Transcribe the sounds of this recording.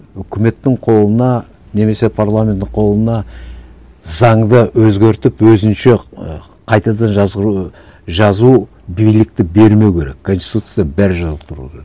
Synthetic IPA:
ʏkʲɪme̞t̪ːɪɴqʰo̞lˠənɑ | ne̞me̞se̞pʰaɾlˠamʲe̞nt̪ːɪɴqʰo̞lˠənɑ | zɑɴd̪əwɵzɡʲe̞ɾt̪ɪpwɵzɪnʃe̞ | qʰɑjt̪ɑd̪ɑnʒɑ | ʒɑzu | bijlɪk̚t̪ɪbe̞ɾme̞wkʲʰe̞ɾe̞̰kkʰːo̞nst̪i̥t̪ut̪sjbæɾɪʒɑzəqt̪ʰʊɾṵd̪ə

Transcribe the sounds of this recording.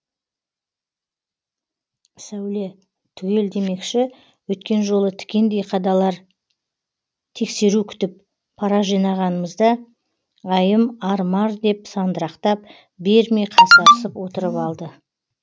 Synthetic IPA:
sæwle | t̪ʰʏɡʲe̞ld̪e̞me̞kʃɪ | wɵt̪kʲe̞nʒo̞lˠət̪ʰʏ̥kʲe̞nd̪e̞jqʰɑd̪ɑlˠɑɾ | t̪ʰe̞kse̞ɾukʲʰʏ̥t̪ɪp̚ | pʰːɑɾɑʒijnɑʁɑnəməzd̪ɑ | ɑjəmɑɾmɑɾd̪e̞psɑnd̪əɾɑqt̪ɑp̚ | be̞ɾmejqʰɑsɑɾəsəpwo̞t̪əɾəpɑlˠd̪ə

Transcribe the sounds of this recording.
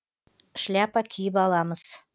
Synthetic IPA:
ʃlʲæpɑkʲʰijɪbɑlˠɑməz̥

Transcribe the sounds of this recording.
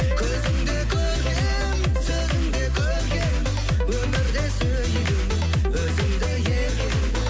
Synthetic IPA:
kʲʰɵzɪmd̪e̞kʲʰɵɾɡʲe | m | sɵzɪmd̪e̞kʲʰɵɾɡʲen | wɵmɪɾd̪e̞syɾejɪɪm | wɵzɪmd̪ejeɾʲe

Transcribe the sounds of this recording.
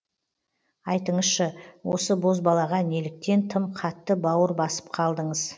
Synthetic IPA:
ɑjt̪əɴəzʃəwo̞səbo̞zbɑlˠɑʁɑne̞lɪk̚t̪e̞nt̪ʰəmqʰɑt̪ːəbɑwəɾbɑsə̥p̚qʰɑlˠd̪əɴəz

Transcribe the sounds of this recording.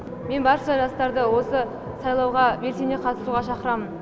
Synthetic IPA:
me̞nbɑɾʃɑʒɑst̪ɑɾd̪əwo̞sə | sɑjlˠɑwʁɑbe̞ɾsene̞qʰɑt̪ə̥suʁɑʃɑqəɾɑmən

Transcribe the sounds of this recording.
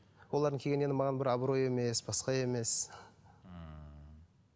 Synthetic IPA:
wolˠɑɾd̪əŋkʰʲeɡʲene̞nɪmɑʁɑnbɪɾɑbɾo̞je̞me̞sbɑsqɑe̞me̞s

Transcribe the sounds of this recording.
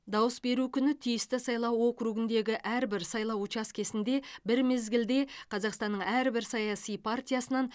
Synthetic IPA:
d̪ɑwəsbe̞ɾukʲʰʏnɪt̪ʰijɪst̪ɪsɑjlˠɑwo̞kruɡɪnd̪e̞ɡʲɪʔæɾbɪɾsɑjlˠɑwut͡ʃɑskʲʰe̞sɪnd̪e̞bɪɾme̞zɡʲɪld̪e̞qʰɑzɑqst̪ɑnːəɴæɾbɪɾsɑjɑsijpʰart̪ʲijasənɑn

